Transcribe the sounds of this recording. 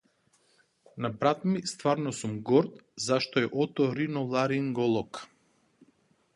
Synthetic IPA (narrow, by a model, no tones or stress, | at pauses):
nabɾat̪mist̪vaɾnɔsumɡɔɾt̪zaʃt̪ɔɛʔɔt̪ɔɾinɔlˠaɾiŋɡɔlˠɔk